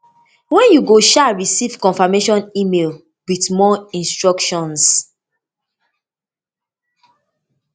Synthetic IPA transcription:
wɛ̃njuɡoʃaɹisiv̥kɔ̃nfameʃɔ̃nimel | witmɔĩnstɹɔkʃɔ̃ns

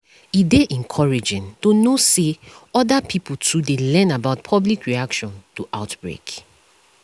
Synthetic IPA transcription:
ideʔɛ̃nkʰɔɹid͡ʒɪ̃ntonoseɔdapʰiputʰudelɛ̃nabaʊt̚pʰɔblikɹiakʃɔ̃ntuʔaʊtb̥ɹḛk

